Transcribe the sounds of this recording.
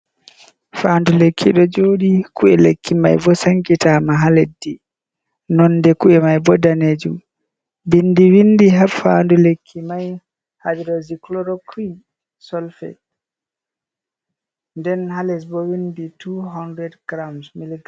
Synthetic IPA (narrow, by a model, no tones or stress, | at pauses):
fandulekʰːiɗɔd͡ʒoːɗikuɛlḛkʰːima̰jbɔsaŋkitamaɦaledːi | nɔnːdɛkuɛmajbɔdaneːd͡ʒum | binːdiwindiɦafandulekʰːimaj | habiɾɔziklɔɾɔkin | sɔlfɛ̰t | ndɛnhalɛsbɔwinditʰuɦɔndɾɛdɡɾamsmiliɡa